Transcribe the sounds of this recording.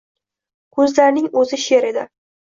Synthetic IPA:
kʰɵzlaɾnɪŋɵzɪʃe̞ɾe̞d̪ɪ

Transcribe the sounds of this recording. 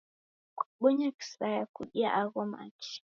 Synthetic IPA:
kḁɓɔɲaki̥sɾajakuɗiaʔaɣɔma̰t͡ʃi̥

